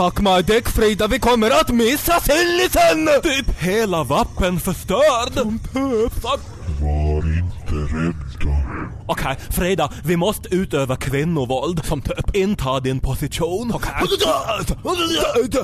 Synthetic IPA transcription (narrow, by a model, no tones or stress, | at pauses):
t̪ʰakːmaɪd̪ɪkfɾiːd̪avɪkʰɔmːəɾat̪mɪsːasɪllɪsɛnt̪ʰyːpheːlavapːənfœʂt̪øːɾd̪ɔmt̪ʰøp̪ | vaɾɪnt̪ʰəɾɛd̪ɔ | ɔkʰɛɪfɾiːd̪avɪmɔst̪əʉːt̪øːvakʰvɪnːʊvɔld̪sɔmt̪ʰːpɪnt̪ʰɑːd̪ɪnpʰʊsɪʃuːnk̪ʰ